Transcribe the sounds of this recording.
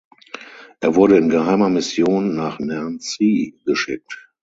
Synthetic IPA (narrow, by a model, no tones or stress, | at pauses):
ʔeːɐvʊɐɾəɪnɡəhaɪmɐmɪsjoːnːaːχnɛɐnt͡siɡ̥əʃɪk̚t